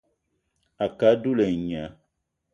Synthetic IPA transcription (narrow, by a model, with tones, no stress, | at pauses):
a˨ka˨˦du˦le˨ɲã˨˦